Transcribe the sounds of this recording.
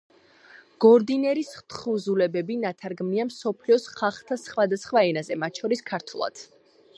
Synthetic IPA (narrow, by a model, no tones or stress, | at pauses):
ɡ̥ɔɾd̪inɛɾisχt̪χuzulɛbɛbinat̪ʰaɾɡmniamsɔpʰliɔsχaχt̪ʰasχwad̪asχwaɛnazɛmat̪ʃʰɔɾiskʰaɾt̪ʰulˠa̰d̪̥